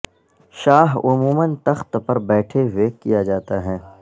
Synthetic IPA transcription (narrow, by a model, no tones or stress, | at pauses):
ʃaːɦʊmuːmənt̪ɐxt̪pɐɾbɛːʈʰeɦʊekijad͡ʒaːt̪aɦɛː